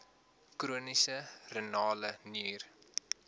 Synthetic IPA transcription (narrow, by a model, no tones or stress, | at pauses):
kruənisərənɑːləniːr